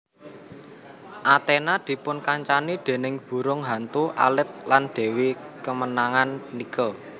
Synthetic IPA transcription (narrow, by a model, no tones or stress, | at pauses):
ʔat̪enad̪̥i̤pʊnkaɲt͡ʃanid̪̥e̤nɪŋb̥ṳɾʊŋɦant̪uʔa̰lɪt̪̚lanɖ̪̥e̤wikəmənaŋanːikəl